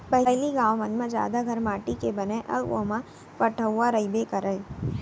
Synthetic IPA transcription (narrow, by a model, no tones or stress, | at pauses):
pəɦɦliɡãʋmənmãd͡ʒja̰ːd̪aɡʱəɾmaːʈikebəneʔəo̰mã | pəʈʰəʋːãɾəibekəɾaj